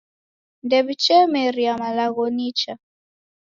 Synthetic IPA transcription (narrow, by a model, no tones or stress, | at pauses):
ndɛβit͡ʃɛmɛɾiamalaɣɔnit͡ʃa